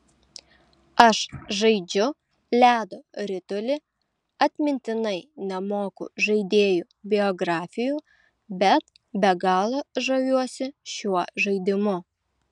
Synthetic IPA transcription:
ɐʃʒɐɪd͡ʒʲʊ | lʲæːd̪oɾʲɪt̪olʲɪ | ɐt̪ʲmʲɪnʲt̪ʲɪnɐɪnʲɛmoːkʊ̰ʒɐɪd̪ʲeːjuːbʲɪɔɡɾɑːfʲɪjuː | bʲɛt̪ | bʲɛɡɑːlˠɐʒɐjʲuɔsʲɪʃʲuɔʒɐɪd̪ʲɪmʊ

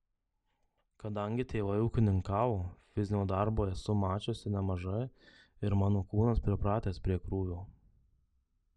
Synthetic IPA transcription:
kɐd̪ɐŋʲɡʲɪt̪ʲeːʋɐɪuːkʲɪnʲɪŋkɑːʋoːfʲɪzʲnʲoːd̪ɑɾboːjɛsʊmɑːt͡ʃʲoːsʲɪnʲɛmɐʒɐɪ | ɪɾmɑːnoːkuːnɐspʲɾʲɪpɾɑːt̪ʲeːspʲɾʲiɛkɾuːʋʲoː

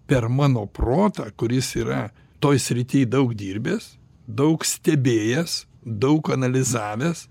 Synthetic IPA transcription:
pʲɛɾmɑːnoːproːt̪ɐkʊɾʲɪsiːɾɐ | t̪oːjsʲɾʲɪt̪ʲiːjd̪ɐʊkd̪ʲiːɾʲbʲeːs | d̪ɐʊksʲt̪ʲɛbʲeːjɛs | d̪ɐʊkɐnɐlʲɪzɑːʋʲeːs

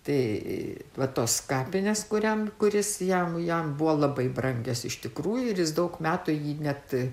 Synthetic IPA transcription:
t̪ɐɪ | ʋɐt̪oːskɑːpʲɪnʲeːskʊɾʲɛmkʊɾʲɪsjɛmjɛmbʊʋoːlˠɐbɐɪbrɐŋʲɡʲɛsɪʃt̪ʲɪkɾuːjʊɪɾjɪsd̪ɐʊkmʲæːt̪ʊjiːnʲɛt̪

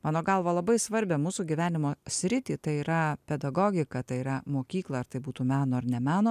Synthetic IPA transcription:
mɑːnoːɡɐlˠʋɐlˠɐbɐɪsʋɐɾʲbʲɛmuːsuɡʲiʋʲæːnʲɪmoːsʲɾʲɪt̪ʲiːt̪ɐɪiːɾɐpʲɛd̪ɐɡoːɡʲɪkɐt̪ɐɪiɾɐmoːkʲiːklˠɐɐɾt̪ɐɪbuːt̪uːmʲæːnoːɐɾnʲɛmʲæːnoː

